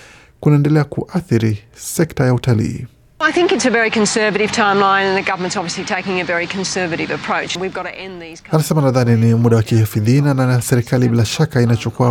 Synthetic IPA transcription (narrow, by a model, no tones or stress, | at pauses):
kunaɛndɛlɛakuʔaθiɾisɛktajautalḭː | aɪθɪ̃ŋkɨtsɨvɛɹikʰɨ̃nsɜ˞vɨɾɨv̥tʰãɪ̃mlãɪ̃nɨ̃nðɨɡʌvə˞mə̃ntsɑbviəslitʰeɪkɪ̃ŋɨvɛɹikʰɨ̃n̩sɜ˞vɨɾɨvɨpʰɹ̥oʊt͡ʃwivɡɑɾɨʔɛ̃nðiz̥kanasɛmanaðaninimuɗawakihifiðinanasɛɾikaliɓilaʃakainat͡ʃɔkuwa